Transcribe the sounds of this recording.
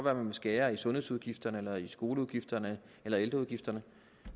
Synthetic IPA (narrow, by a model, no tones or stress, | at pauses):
ɒʋæːɐmænmesɡ̥ɛːɐisɔ̽nhesuð̞ˠɡ̥ifd̥ɐnəelɐisɡ̥o̝ːləuðˠɡ̥ifd̥ɐnə | elɐeld̥ɐuð̞ˠɡ̥ifd̥ɐnə